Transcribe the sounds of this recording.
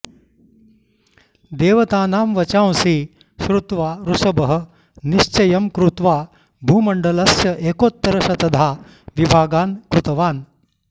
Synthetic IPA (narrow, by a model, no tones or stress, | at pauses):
d̪eːʋɐt̪aːnaːmʋɐt͡ʃãːwsiː | ɕɾut̪ʋaːɾusɐbɐɦə | niɕt͡ʃɐjɐmkɾut̪ʋaː | bʱuːmɐɳɖɐlɐsjɐʔeːkot̪ːɐɾɐʃɐt̪ɐd̪ʱaː | ʋibʱaːɡaːnkɾut̪ɐʋaːn